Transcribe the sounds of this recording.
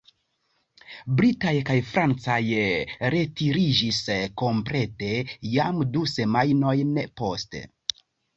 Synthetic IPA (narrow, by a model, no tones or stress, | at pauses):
bɾitajkajfɾant͡sajɾe̞tiɾid͡ʒisko̞mpɾe̞te̞jamduse̞majno̞jnpo̞stḛ